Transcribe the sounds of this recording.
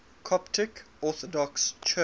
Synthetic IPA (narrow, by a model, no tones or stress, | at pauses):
kʰɔptʰɪk | ɔˑθɔdɔkst͡ʃʰə